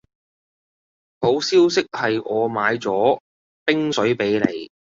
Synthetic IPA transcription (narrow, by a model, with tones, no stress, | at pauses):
ho˨˥wsiː˥wsɪ˥k̚hɐ˨jɔː˨˧maː˨˧jt͡sɔː˨˥ | pɪ˥ŋsɵ˨˥ɥpe˨˥jlḛ˨˧˩j